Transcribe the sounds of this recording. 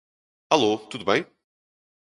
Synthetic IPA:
alot̪ud̪ʊbẽj̃

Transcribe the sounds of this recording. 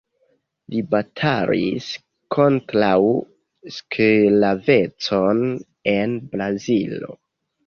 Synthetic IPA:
libatʰalḭs | kʰo̞ntɾaw | sklave̞t͡so̞n | e̞nbɾazilo̰

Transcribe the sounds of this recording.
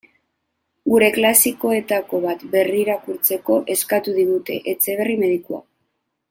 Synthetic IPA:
ɡuɾe̞klasiko̞e̞t̪ako̞β̞at̪be̞riːɾakuɾt͡se̞ko̞ʔe̞skat̪uðiɣut̪e̞̰ʔet͡se̞β̞e̞rime̞ðikua̰

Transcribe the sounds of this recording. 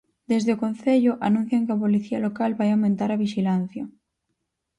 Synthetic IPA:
d̪̥ezðeokõn̟θeʎoʔanũn̟θjaŋkeapoliθialokalβajawmẽnt̪aɾaβ̞iʃilan̟θja

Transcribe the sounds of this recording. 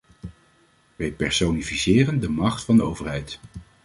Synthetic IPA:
ʋɛjpɛɹsownifisɪːrəndəmɑχtfɑndəowvəɹɦɛjt

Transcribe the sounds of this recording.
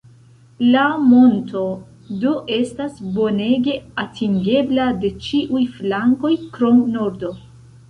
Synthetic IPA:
lamo̞nto̞ | doʔe̞stasbo̞ne̞ɡe̞atʰiŋɡe̞blade̞t͡ʃiʔujflaŋko̞jkɾo̞mno̞ɾdo̞

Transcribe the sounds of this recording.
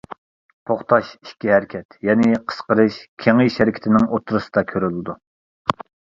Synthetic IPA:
t̪ʰoχt̪ʰɑʃi̥ʃkʲiɦɛɾkʲʰɛt̪jɛnɪqʰə̥sqəɾɨʃkʲʰeŋiʃæɾɪkʲʰt̪ʰɪnɪŋʔot̪ʰɾɨsɨ̥d̪ɑkʲʰøɾylɪd̪u

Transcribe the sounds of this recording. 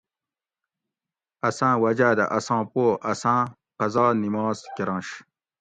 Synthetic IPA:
ɐsãːwɐd͡ʑaːd̪a̰ʔɐsɑ̃ːpoːʔɐsãː | qɐzɑːnimɑːzkiɾɑ̃ːɕ

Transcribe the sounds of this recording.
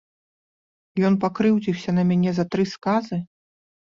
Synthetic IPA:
jɔnpakɾɨwd͡zʲiwsʲɐnɐmʲanʲɛzɐt̪ɾɨskazɨ

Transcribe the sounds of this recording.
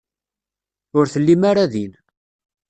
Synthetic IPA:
ʊɾθəlːimaɾaðin

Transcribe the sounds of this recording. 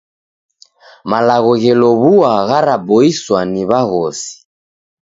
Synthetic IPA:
malaɣɔɣɛlɔβuaɣaɾabɔiswaniβaɣɔsi̥

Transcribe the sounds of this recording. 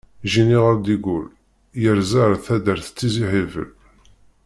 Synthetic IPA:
ʒiniʁəɾd̪iɡul | jəɾzaɾθæd̪əɾθə̥t͡sːiziħivə̰l

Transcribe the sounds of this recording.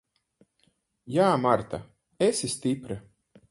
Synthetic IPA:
jaːmaɾt̪a | esist̪ipɾa

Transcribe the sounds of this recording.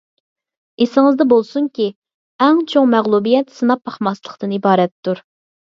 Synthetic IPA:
esɪŋɨzd̪ɛbolˠsuŋkʲi | ɛŋt͡ʃʰoŋmɛʁlˠubijɛt̪sɨnɑpːɑχmɑslˠəχt̪ɨnibɑːɾɛt̪ʰːuɾ

